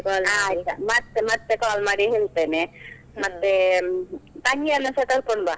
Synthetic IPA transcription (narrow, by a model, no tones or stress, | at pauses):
kɔːlaiamɐt̪ːemɐt̪ːekaːlmaːɽiɦeːɭt̪eːne | mɐt̪ːe | t̪ɐŋɡiɐlɐsɐt̪ɐɾkoɳba